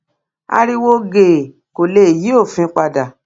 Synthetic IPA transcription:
a̰˧ɾi˧wo˦ɡe˨ | ko˨le˨ji˨˦o˦˨fĩ˧˦k͡pa˧da˨

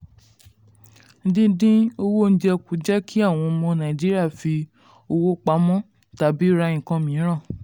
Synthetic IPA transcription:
n̩˦dĩ˦dĩ˦o˧wo˦n̩˦di˦ɛ˧ku˨d͡ʒɛ˦kʰi˦a˦˨w̃ɔ̃˧mɔ̃˧nã˨d͡ʒi˦ɾi˦a˦˨fi˧ | o˧wo˦k͡pa˨˦mɔ̃˦ | ta˨˦bi˨˦ɾa˧ĩ˨kã˧mĩ˨˦ɾ̃ã˦˨

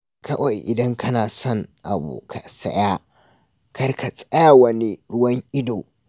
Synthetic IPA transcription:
kʰɐ˦wa˨jʔɪ̰˨dɐ˦ŋkʰɐ˦naː˨sɔ˦˨ŋʔa̰˨bṵː˨kʰa˨sɐ̰˦ja˦ | kɐ˦rkʰa˨sʼɐ˦ja˨wɐ˦ni˦ɾʊ˦wɐ˦ŋʔɪ˦doː˨

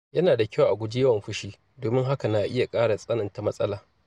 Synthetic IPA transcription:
jɐ˦naː˨da˨kʲa˦˨ʔa˨ɡʷʊ˦d͡ʒi˦jɐ˦wɐ˨mɸʊ˦ʃiː˦ | doː˨mɪ˦ŋɦa˦ka˨na˦ʔɪ˦ja˨kʼaː˦ɽa˨sʼɐ˦nɐ˨nta˨mɐ˦sʼɐ˦laː˨

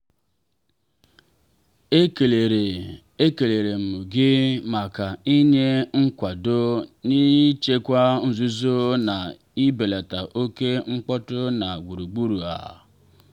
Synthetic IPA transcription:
e˦ke˨le˨ɾe˨ | e˦ke˨le˨ɾe˨m̩ʊ˨ɡɪ˦ma˨ka˨i˦ɲe˦ŋ̩˦kʷa˨do˦ni˦t͡ʃe˦kʷa˦n̩˨zu˦zo˦na˨ | i˦be˨le˨ta˨ʔo˦ke˦ŋ͡m̩˦k͡pɔ˦tʊ˦na˨ɡʷu˨ɾu˨ɡ͡bu˦ɾu˨a̰˨

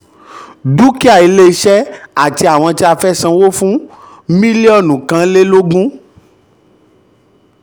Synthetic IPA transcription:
du˦ki˦a˦˨i˨˧˦le˦˧ʃɛ˦a˦˨ti˧˦a˨w̃ɔ̃˧ti˦a˧fɛ˦sã˧wo˦fũ˦ | mĩ˦li˦ɔ˦˨nũ˨kã˨˧˦le˦lo˦ɡũ˦

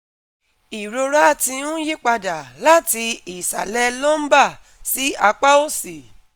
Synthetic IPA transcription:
i˨ɾo˧ɾa˦˨tĩ˧nũ˦ji˦k͡pa˧da˨la˦ti˧i˨sa̰˨lɛ˦lɔ˦m̩˦ba˦˨ | si˨˦a˧k͡pa˦o˦˨si˨

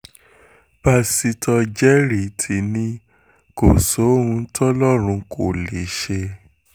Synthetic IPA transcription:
ba˧si˧tʰɔ˧d͡ʒɛ˦ɾi˨tʰi˨nĩ˧ | ko˨so˨˦ũ˧˦tʰɔ˦lɔ˦ɾ̃ũ˧kʰo˨le˨ʃe˧

